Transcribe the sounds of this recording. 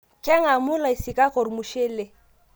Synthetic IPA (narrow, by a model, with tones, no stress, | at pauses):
kʼɛ˦ŋa˨mʊ˦la˨i˨si˨ka˦ko˨ɾmu˨ʃe˦le˦